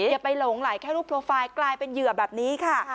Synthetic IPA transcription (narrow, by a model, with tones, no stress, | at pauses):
pːa˧jlo˨˩˦ŋlaː˩˦jkʰɛː˥˩ɾuː˦˥˩pʰɾoː˧faː˧jklaː˧jpe˧njɯ˨˩əbɛː˨˩p̚niː˨˦˥kʰa˥˩